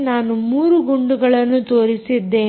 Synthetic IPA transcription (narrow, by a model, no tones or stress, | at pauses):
naːnumuːɾuɡuɳɖuɡɐɭɐnːut̪o̞ːɾisid̪ːeː